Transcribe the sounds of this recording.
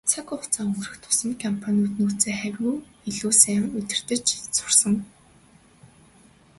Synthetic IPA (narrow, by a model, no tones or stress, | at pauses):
t͡sʰakʊχʊt͡saːŋɵŋɡɵ̆rɘ̆xt̪ʰʊ̥sə̆nkʰampʰanʲuːt̪nuːt͡seːχæwʲɣuː | iɮuːsæ̆ːŋɵt̪ʲɪ̆r̥t̪ɘ̆t͡ɕsʊ̥rsə̆ŋ